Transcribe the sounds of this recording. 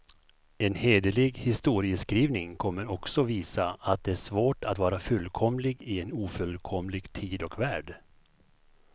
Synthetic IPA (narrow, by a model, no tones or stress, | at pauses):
ɛnheːd̪əlɪɡhɪst̪uːɾɪəskɾiːvnɪŋkʰɔmːəɾɔksɔviːsaat̪̚d̪ɛæʂvoːʈat̪vɑːɾafɵlːkʰɔmlɪɡɪɛnuːfɵlkʰɔmlɪɡt̪ʰiːd̪ɔkvæːɖ